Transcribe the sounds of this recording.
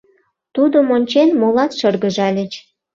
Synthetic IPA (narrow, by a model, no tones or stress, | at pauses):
t̪ud̪omonʲt͡ɕenmolɑt̪ʃɤrɣəʒɑlʲə̆t͡ɕ